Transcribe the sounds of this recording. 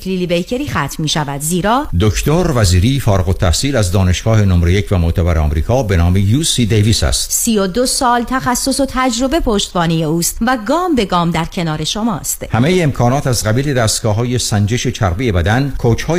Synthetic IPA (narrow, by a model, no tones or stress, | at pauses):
kʰlilibejcʰeɾiːxæt̪miːʃævæd̪ziːɾɒːd̪okʰt̪oɾvæziːɾiːfɒːɾeɣot̪ʰːæhsiːlæzd̪ɒːne̞ʃɡ̥ɒːhe̞nomɾejecʰvæmoʔt̪ʰæbæɾeɒ̰mɾiːkʰɒːbe̞nɒːmejuːsid̪ejviːsæ̰st̪siːjod̪o̞sɒːlt̪ʰæxæsːo̞so̞t̪ʰæd͡ʒɾo̞be̞pʰoʃt̪bɒːnijeuːst̪væɡɒːmbe̞ɡɒːmd̪æɾcʰe̞nɒːɾe̞ʃomɒːst̪hæme̞jeːmkʰɒːnɒːt̪æzɢæbiːle̞d̪æːst̪̚ɡ̥ɒːɦɒːje̞sænd͡ʒe̞ʃe̞t͡ʃʰæɾbejebæd̪ænkʰoːt͡ʃʰhɒː